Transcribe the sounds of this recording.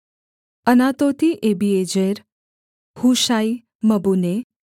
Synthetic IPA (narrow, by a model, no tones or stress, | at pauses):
ənat̪ot̪iʔebied͡ʒeɾ | huʃaj | məbune